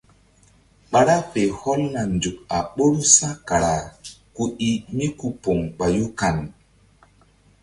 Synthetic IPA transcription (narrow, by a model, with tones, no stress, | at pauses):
ɓa˨ɾa˦pe˨hɔ˦lna˨ndu˨k̚a˨ɓo˦ɾu˦sã˦ka˨ɾa˨ku˦i˦mi˦ku˦po˨ŋɓa˨ju˦ka˨n